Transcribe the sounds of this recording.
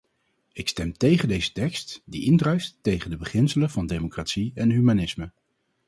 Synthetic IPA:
ɪkstɛmtejχəndejzə̥tɛkstdiʔɪndrœɥftːejχəndəbəχɪnsələvɑndejmokratsiɛnɦymanɪsmə

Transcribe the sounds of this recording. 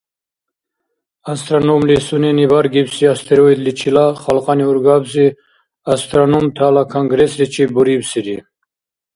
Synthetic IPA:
ast̪ɾanɔmlisunɛnibaɾɡibsiast̪ʰɛɾɔid̪lit͡ʃʰilaχalqʼɑniuɾɡabzi | ast̪ʰʼɾanumt̪ʰalakʰaŋɡɾɛslit͡ʃʰibuɾibsiɾi

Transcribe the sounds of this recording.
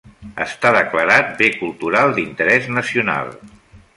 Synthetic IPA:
ə̰st̪aðəkləɾat̪̚bekulˠt̪uɾalˠd̪int̪əɾɛznəsiuna̰lˠ

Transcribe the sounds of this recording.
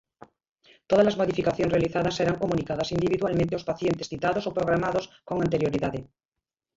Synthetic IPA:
t̪oð̞azlazmoðifikaθjonsre̞aliθaðasːe̞ɾaŋkomũnikað̞asind̪iβiðwalmẽnt̪eospaθje̞nt̪esθit̪aðosopɾoɣ̞ɾamaðoskoŋant̪eɾjoɾiðaðe

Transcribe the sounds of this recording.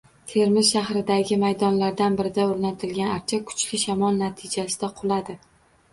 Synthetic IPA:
t̪ʰe̞ɾmɪzʃaɦɾɪd̪aɡʲɪmajd̪ɒnlaɾd̪anbɪɾɪd̪aoɾnat̪ʰɪlɡʲanaɾt͡ʃʰakʰʊ̥t͡ʃʰlɪʃamɒlˠnat̪ʰɪd͡ʒasɪd̪aqʰʊlˠad̪ɪ

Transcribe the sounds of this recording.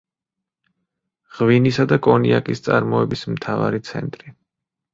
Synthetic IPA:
ʁ̥vinisad̪akʼɔniakʼist̪sʼaɾmɔɛbismt̪ʰava̰ɾit̪sʰɛ̰nt̪ʼɾi

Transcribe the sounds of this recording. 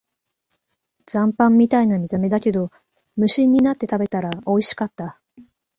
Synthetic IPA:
zãmpãmːʲit̪ainamʲit̪ame̞d̪ake̞d̪o̞ | mɯ̟ɕĩɲ̟ːinat̪ːe̞t̪abe̞t̪aɾao̞iɕi̥kat̪ːa

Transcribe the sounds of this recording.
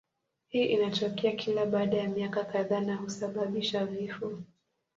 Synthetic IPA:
hiːʔinat͡ʃɔkɛakʰilaɓaːɗajamiakakaðaːnahusaɓaɓiʃavifɔ

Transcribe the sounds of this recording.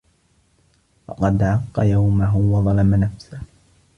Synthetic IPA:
fɑ̰qɑd̪ʕɑqːɑ̰jawmaɦʊwɑðˤɑlɑmanafsah

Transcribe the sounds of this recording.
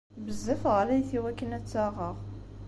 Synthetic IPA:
bəzːəfʁlæjθiwækːənæt͡sːaʁəʁ

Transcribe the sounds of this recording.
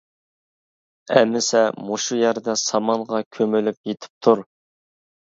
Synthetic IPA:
ɛ̰mːɪsɛmoʃujæɾd̪ɛsɑmɑnʁɑkʲʰømylyp̚jet̪ʰɪ̥p̚t̪ʰuɾ

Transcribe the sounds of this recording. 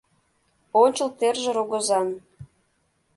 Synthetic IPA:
onʲt͡ɕəlt̪erʒĕɾoɣŏzɑn

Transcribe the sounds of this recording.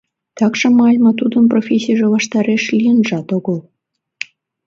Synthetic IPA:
t̪ɑkʃɤ̆mɑlʲmɑt̪ud̪ənprofʲesʲːijʒelɑʃt̪ɑɾeʃlʲijənʒɑt̪oɣəlˠ

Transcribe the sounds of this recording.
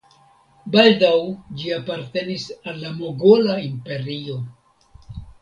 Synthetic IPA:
baldawd͡ʒiapaɾte̞nisalːamo̞ɡo̞laimpe̞ɾio̞

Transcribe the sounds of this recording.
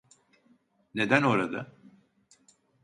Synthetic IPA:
ne̞d̪æno̞ɾad̪a̰

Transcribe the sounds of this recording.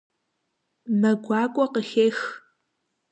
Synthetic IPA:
mɐɡʷɑːkʷʼɔqəxeːx

